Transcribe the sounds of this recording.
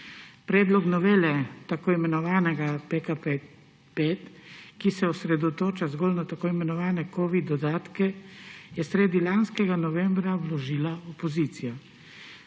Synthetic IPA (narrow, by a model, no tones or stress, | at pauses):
pɾɛːd̪lɔknɔʋeːlɛt̪akoːimɛnɔʋaːnɛɡapekape | peːt̪kisɛɔsɾɛd̪ɔt̪oːt͡ʃazɡoːlnat̪akoːimɛnɔʋaːnɛkoːʋid̪ɔd̪aːt̪kɛjɛsɾeːd̪ilanskɛɡanɔʋɛːmbɾawlɔʒiːlaɔpɔziːt̪sija